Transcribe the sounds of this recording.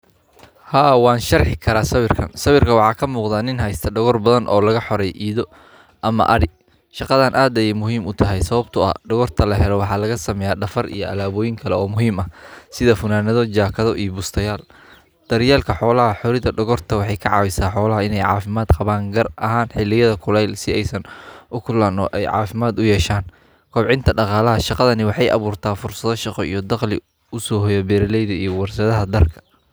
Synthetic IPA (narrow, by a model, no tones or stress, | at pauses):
haːwɑːnʃɐrħɪkʰɐɾaːsɐwɪrkʰɐ̰nsɐwɪrkʰɐwɑħɑːkʰɐmuːqðaːnɪnɦɐjst̪ʰɐɖɔɣɔrbɐðɐnʔɔ̰ːlɐɣɐħɔɾɛjʔiːðɔ | ʔɐmɐ̰ʔɐɽɪ | ʃɑqɑðanʔaːd̪ɛjmʊɦiːmʊt̪ʰɐɦɛjsɐβɐbt̪ʰʊɐ̰ɖɔɣɔrt̪ʰɐlɐɦɛlɔwɑħɑːlɐɣɐsɐmɛjaːɖɐfɐrḭjɔʔɐ̰laːβɔːjɪŋkʰɐlɛɔːmʊɦiːmɐsɪðɐfʊnaːnɐðɔt͡ʃaːkʰɐðɔʔijɔbʊst̪ʰɐjaːl | d̪̥ɐɾjaːlkʰɐħɔːlɐɦɐħɔɾɪðɐɖɔɣɔrt̪ʰɐwɑħɑjkʰɐʕɑ̰ːwɪsaːħɔːlɐɦɐɪnɛjʕɑ̰ːfɪmaːd̪qɑβaːŋɡɐrɐɦaːnħɪlɪjɐðɐkʰʊlɛjlsɪɛjsɐnʔʊkʰʊlaːnɔ̰ːʔɛjʕɑ̰ːfɪmaːd̪ʊjɛːʃaːn | kʰɔːbʕɪnt̪ʰɐɖɑqɑːlɐɦɐʃɑqɑðɐnɪwɑħɑjʔɑ̰βuːrt̪ʰaːfʊrsɐðɔʃɑqɔḭjɔd̪ɑqlɪ̰ | ʊsɔːhɔjɐbɛːɾɐlɛjðɐijɔwɑrsɐðɐɦɐd̪ɐrkʰɐ̥